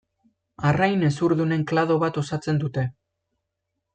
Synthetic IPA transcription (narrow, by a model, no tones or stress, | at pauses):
arajne̞suɾðune̞ŋklaðo̞βat̪o̞sat͡se̞nd̪ut̪e̞